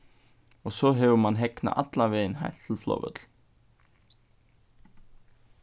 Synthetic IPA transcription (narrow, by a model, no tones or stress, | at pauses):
ɔɣsɔɦɛvʏmanɦɛkna̰ʔa̰t̪lavɛːɪnɦa̰jl̥t̪ʰɪlflo̰ːwvœ̰t̪l̥